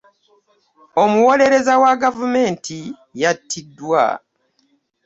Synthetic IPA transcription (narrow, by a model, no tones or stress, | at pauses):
o̞muwo̞le̞ɾe̞zawaɡavume̞ːntʰi | jatʰːidːwa̰